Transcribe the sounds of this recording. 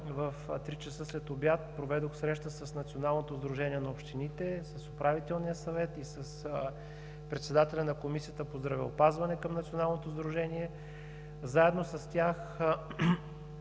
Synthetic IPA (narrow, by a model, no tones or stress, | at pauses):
vəft̪ɾit͡ʃəsɤslɛt̪objat̪̚pɾovɛd̪oxsɾɛʃt̪əsɐsnɐt̪sionalˠnot̪ozd̪ɾuʒɛniɛnɐopʃt̪init̪ɛsɐsʊpɾavit̪ɛlˠnijəsɐvɛt̪isɐs | pɾɛt̪sɛd̪at̪ɛlʲɐnɐkomisijət̪əpozd̪ɾɐvɛopazvɐnɛkəmnɐt̪sionalˠnot̪ozd̪ɾuʒɛniɛ | zaɛd̪nosɐst̪ʲjax